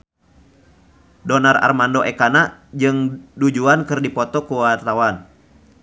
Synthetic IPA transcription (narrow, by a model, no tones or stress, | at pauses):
dɔnara̰rmandɔʔɛkanad͡ʒɨŋdud͡ʒuankɨrdipɔt̪ɔkuwart̪awan